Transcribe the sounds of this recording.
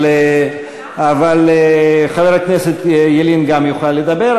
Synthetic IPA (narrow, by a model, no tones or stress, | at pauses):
avalχaveʁakneset̪jelinɡamjuχlaled̪abeʁ